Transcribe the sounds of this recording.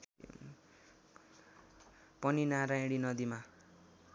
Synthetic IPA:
pʌninaɾaɽinʌd̪ima

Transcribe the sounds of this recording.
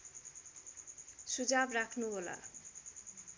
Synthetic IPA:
ʃud͡ʑabɾakʰnobola̰

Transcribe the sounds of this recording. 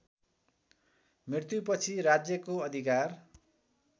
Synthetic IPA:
mrirt̪jupʌt͡sʰiɾad͡zjʌkoʌd̪ʱikar

